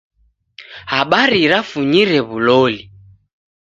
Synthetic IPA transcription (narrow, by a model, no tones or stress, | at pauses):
haɓaɾiɾafuɲiɾɛβulɔli